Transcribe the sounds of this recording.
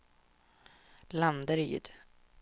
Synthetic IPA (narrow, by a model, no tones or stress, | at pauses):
land̪əɾiʏ̰d̪̥